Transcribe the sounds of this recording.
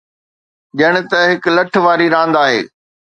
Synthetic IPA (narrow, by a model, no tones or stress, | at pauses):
ʄɐɽ̃ɪ̆t̪ɐɦɪklɐʈʰʋaːɾiɾãːn̆d̪aːɦḛː